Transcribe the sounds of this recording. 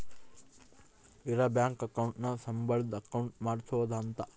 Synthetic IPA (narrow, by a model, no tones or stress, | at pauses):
iɾɐbjaːŋkɐkɐwɳʈnɐsɐmbɐɭd̪ɐkɐwɳʈmaːɽsuʋɐd̪ɐːnt̪ɐ